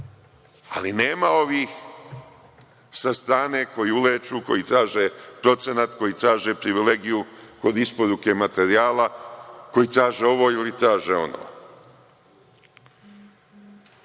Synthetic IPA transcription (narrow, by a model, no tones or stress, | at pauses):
a̰line̞ːmao̞ʋiːx | sast̪ɾaːne̞ko̞jiuleːt͡ʃuko̞̰jit̪ɾaːʒepɾo̞t̪se̞nat̪ko̞jiːt̪ɾaːʒepɾiʋile̞ɡijuko̞d̪ispoɾuke̞mat̪e̞ɾiaːlako̞jiːt̪ɾaːʒe̞o̞ʋo̞ːilit̪ɾaːʒeo̞̰no̰ː